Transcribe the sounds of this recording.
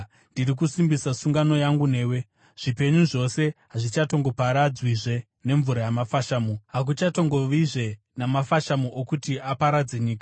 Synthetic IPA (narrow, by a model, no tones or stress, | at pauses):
ndiɾik̬usimbisasuŋɡano̞jaŋɡune̞ːwe̞ | ʐ̥ipe̞ɲuʐo̞se̞ɦaʐit͡ʃato̞ŋɡo̞paɾad͡zwiʐe̞ | ne̞ɱvuɾajamafaʃaːmuɦak̬ut͡ʃato̞ŋɡo̞ʋiʐe̞ | namafaʃamuʔokutiapaɾad͡ze̞ɲiːkḁ